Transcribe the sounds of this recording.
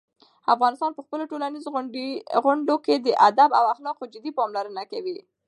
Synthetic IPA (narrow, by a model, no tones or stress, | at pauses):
afɣɑnɪst̪ɑnpəxpəloʈolanizoɣʊɳɖoked̪əʔad̪aba̰waxlɑqod͡ʒɪd̪ipɑmlaɾənakawi